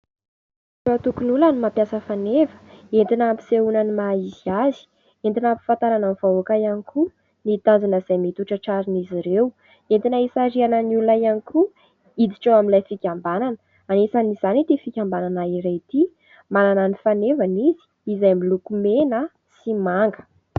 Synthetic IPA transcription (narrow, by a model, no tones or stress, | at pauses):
zuat̪ukunulanimapjasəfanevə̥ent̪inampi̥seunanimaiziazi̥ | ent̪inampi̥fant̪aɾananv̥aoakajanikʰu | nit̪and͡zunəz̥ajmit̪uʈ͡ʂəʈ͡ʂaɾiniziɾew | ent̪inaisaɾianəniululajaniku | id̪iʈ͡ʂawaminlajfikʲambananə̥ | anesanizanit̪ifikʲambananaiɾet̪i | manananifanevanizi̥ːzajmilukumenə | simaŋɡə̥